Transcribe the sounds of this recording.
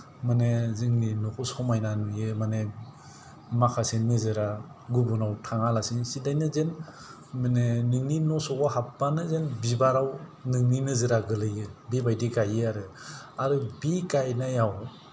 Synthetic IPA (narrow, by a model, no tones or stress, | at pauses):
manezɯŋninɔkʰɔsɔmajnanujɯmane | makʰasenɯzɯɾa | ɡubunawtʰaŋalasɯŋsidajnɯzen | manenɯŋninɔsɔɡɔɦapːanɯzenbibaɾawnɯŋninɯzɯɾaɡɯlɯjɯbibajdiɡajɯaɾɯaɾɯbikajnajaw